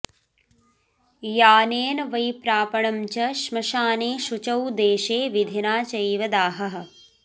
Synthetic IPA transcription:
jaːneːnɐʋɐjpɾaːpɐɳɐmt͡ʃɐʃmɐʃaːneːʃut͡ʃɐwd̪eːʃeːʋid̪ʱinaːt͡ʃɐjʋɐd̪aːɦɐɦɐ̆

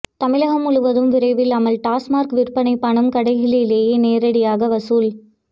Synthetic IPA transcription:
t̪ɐmɪlɐɣɐmʊɭɯʋɐðɯmʋɪɾɐɪʋɪlɐmɐɭʈaːsmaːɾkʋɪrpɐɳɐɪpːɐɳɐmkɐɽɐɪɣɪlɪleːjeːneːɾɐɽɪjaːɣɐʋɐsuːl

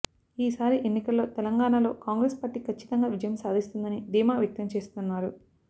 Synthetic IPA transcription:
iːsaːɾiʔenːikɐlːo̞ːt̪ɛlɐŋɡaːɳalo̞ːkaːŋɡɾeːspaːɾʈiːkʰɐt͡ʃːi̥t̪ɐŋɡaːʋid͡ʒɐjɐmsaːd̪ʱist̪und̪ɐnid̪iːmaːʋjɐk̚t̪ɐmt͡ʃeːst̪unːaːɾu

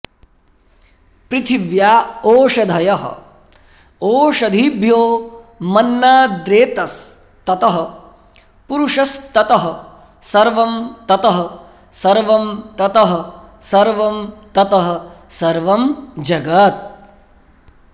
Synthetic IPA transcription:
pɾɪt̪ʰiʋjaːoːʃɐd̪ʱɐjɐɦɐ̰̆ | oːʃɐd̪ʱibʱjoː | mɐnːaːd̪ɾeːt̪ɐs | t̪ɐt̪ɐɦɐ̆ | puɾuʂɐst̪ɐt̪ɐɦɐ̆ | sɐɾʋɐmt̪ɐt̪ɐɦɐ̆ | sɐɾʋɐmt̪ɐt̪ɐɦɐ̆sɐɾʋɐmt̪ɐt̪ɐɦɐ̆sɐɾʋɐmd͡ʒɐɡɐt̪̚

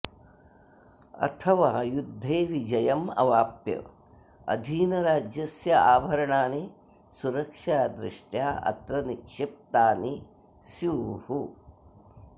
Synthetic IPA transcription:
ɐ̰t̪ʰɐʋaːjud̪ʱːeːʋid͡ʒɐjɐmɐ̰ʋaːpjɐ̰ | ɐ̰d̪ʱiːnɐɾaːd͡ʒjɐsjɐaːbʱɐɾɐɳaːni | suɾɐkʂaːd̪ɾiʂʈjaːʔɐ̰t̪ɾɐnikʂɪp̚t̪aːni | sjuːɦu

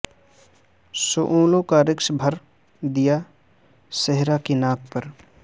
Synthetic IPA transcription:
soʔũːlõkaɾɪkʃbʱəɾ | d̪ija | seɦɾakinaːkpəɾ

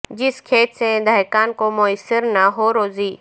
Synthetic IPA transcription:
d͡ʒɪskʰeːt̪sẽd̪aːɪkaːnkomʊəsɪɾnaɦoɾoːziː

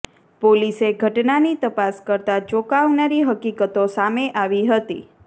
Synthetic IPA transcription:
poliseɡʱəʈnanit̪əpaskəɾt̪ad͡ʒokaʋnaɾiɦəkikət̪osameʔaʋiɦət̪ḭ

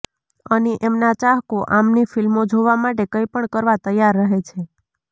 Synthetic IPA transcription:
əniʔemnat͡ʃaɦkoʔamnifilmod͡ʒoʋamaʈekəjpəɳkəɾʋat̪əjːaɾːəɦet͡ʃʰe

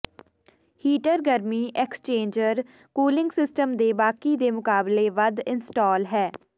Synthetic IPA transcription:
hiːʈəɾɡəɾmiːʔɛkst͡ʃẽːɲd͡ʒəɾ | kuːlɪ̃ŋɡsɪsʈəmd̪eːbaːkiːd̪eːmʊkaːbleːʋəd̪ɪnsʈɔːlɦɛː

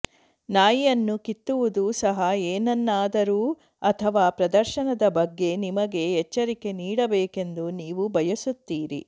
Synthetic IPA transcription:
naːjijɐnːukit̪ːuʋud̪usɐɦɐeːnɐnːaːd̪ɐɾuː | ɐt̪ʰɐʋaːpɾɐd̪ɐɾʃɐnɐd̪ɐbɐɡːe̞nimɐɡe̞ɛt͡ʃːɐɾike̞niːɽɐbeːke̞nd̪uniːʋubʱɐjɐsut̪ːiːɾḭ

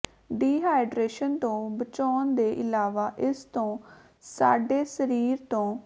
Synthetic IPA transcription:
ɖiːɦaːɪɖɾeːʃənt̪õːbət͡ʃɔːnd̪eːʔɪlaːʋaːʔɪst̪õː | sa̰ːɖeːsəɾiːɾt̪õː

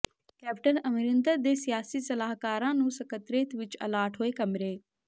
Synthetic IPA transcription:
kɛːp̚ʈənəmɪɾənd̪əɾd̪eːsɪjaːsiːsəlaːɦkaːɾãːnũːsəkət̪ɾeːt̪ʋɪt͡ʃə̰laːʈɦoːeːkəmɾeː

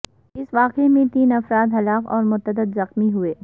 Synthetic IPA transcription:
ɪsʋaːqemẽt̪iːnɐfɾaːd̪ɦɐlaːqɔːɾmʊt̪əd̪əd̪zɐxmiɦueː

